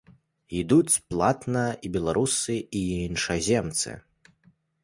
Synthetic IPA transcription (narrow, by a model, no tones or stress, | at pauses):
id̪ut͡sʲplˠat̪nɐibʲɛlˠaɾʔusɨinʂɐzʲɛmt̪sɨ̰